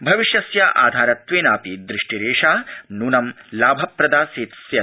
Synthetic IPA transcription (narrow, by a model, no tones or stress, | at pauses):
bʱɐʋiʃjɐsjɐʔa̰ːd̪ʱaːɾɐt̪ʋeːnaːpid̪ɾiʂʈiɾeːʂaːnuːnɐmlaːbʱɐpɾɐd̪aːseːt̪sjɐ